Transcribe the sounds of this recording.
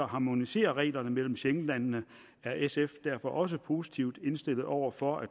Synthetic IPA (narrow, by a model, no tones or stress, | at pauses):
ɐɦɑ̈mo̝nise̝̰ːɐʁɛ̰ːlɐnəmel̰m̩ɕeŋlænnə | æɐʔesefd̥æɐ̰fɒ̽ʔɒ̽s̬əpʰo̝ːsi̥t͡sʰiʊd̥e̝nsd̥e̝l̰ð̩ˠɒʊ̰ɐfɒ̽æ̥